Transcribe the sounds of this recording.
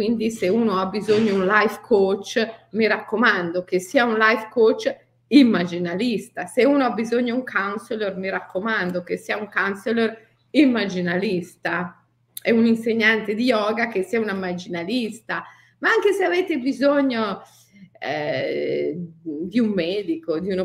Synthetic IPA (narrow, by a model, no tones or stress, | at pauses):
kwind̪iseuːnoabizoɲːounlajfkot͡ʃmiɾakːomand̪okesiːaunlajfkot͡ʃ | imːad͡ʒinalist̪aseuːnoabizoɲːouŋkʰawnselermiɾakːomand̪okesiːauŋkanseleɾ | imːad͡ʒinalist̪a | ɛuninseɲːant̪ed̪ijɔːɡak̟esːiaunamːad͡ʒinalist̪a | maaŋkeseaveːt̪ebizoɲːo | ɛ̰ | d̪iumːɛːd̪ikod̪iun